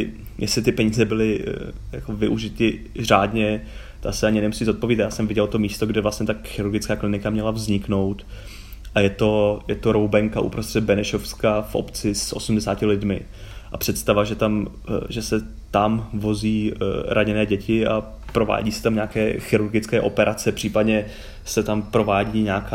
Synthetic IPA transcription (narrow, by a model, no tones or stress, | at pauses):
jʔɛsɪt̪ɪpɛɲiːzɛbɪlɪja̰ko̞vɪʔuʒɪt̪ɪ | r̝aːdɲɛ | t̪a̰sɛaɲɪnɛmusiːzo̞t̪̚poviːt̪ajaːsɛmvɪɟɛlt̪o̞miːst̪oɡdɛvlastɲɛt̪axɪɾuɾɡɪt͡skaːklɪnɪkamɲɛlavzɲɪkno̞wt̪ | ʔajɛt̪o̞jɛt̪o̞ɾowbɛŋkaʔṵpɾost̪r̝̥ɛd̪̚bɛnɛʃofskafʔo̰pt͡sɪsʔo̞sumdɛsaːcɪlɪdmɪ | ʔapr̥ɛt̪st̪avaʒɛt̪am | ʒɛsɛ | t̪amvo̞ziːɾʔaɲɛnɛːɟɛcɪa̰ | pɾo̞va̰ːɟiːsɛ̥t̪amɲaːkɛːxɪɾuɾɡɪt͡skɛːʔo̞pɛɾʔat͡sɛpr̥iːpadɲɛ | sɛt̪ampɾo̞vaːɟiːɲaːka